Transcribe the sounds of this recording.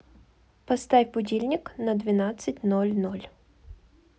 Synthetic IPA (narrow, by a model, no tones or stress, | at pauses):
pɐst̪afʲbʊdʲilʲnʲɪknəd̪vʲɪnat̪sɨtʲnolʲnolʲ